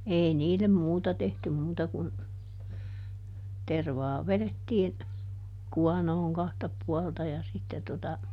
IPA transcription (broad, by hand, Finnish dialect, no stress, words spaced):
ei niːlem muːtɑ tehtym muːtɑ kun terʋɑː ʋeðetːiːn kuɑnoːŋ kɑhtɑ puɑltɑ jɑ sitːe totɑ